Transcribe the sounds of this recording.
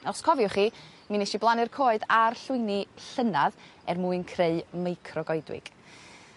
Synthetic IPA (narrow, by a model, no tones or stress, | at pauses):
ɔskʰɔvjʊχiː | minɛʃiblˠanɪrkʰoːɨdarɬʊɨniɬənaðɛrmuɨnkʰreɨmejkʰrɔɡɔjdwɪ̰ɡ̥